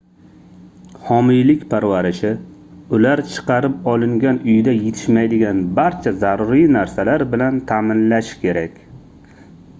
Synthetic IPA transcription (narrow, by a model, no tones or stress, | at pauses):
hɒmijlɪkʲpʰaɾvaɾɪʃɪʊlaɾt͡ʃʰɨ̥qɑɾɪpɒlˠɪŋɡʲanʊjd̪ajet̪ʰɪ̥ʃmajd̪ɪɡʲanbaɾt͡ʃʰazaɾuɾijnaɾsalaɾbɪlant̪ʰaːmɪnlaʃɪ̥kʲʰe̞ɾakʲ